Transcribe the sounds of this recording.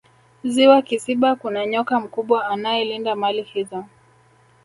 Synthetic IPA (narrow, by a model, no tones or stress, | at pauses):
ziwakisiɓakunaɲɔkam̩kuɓwaːnajɛlindamalihizɔ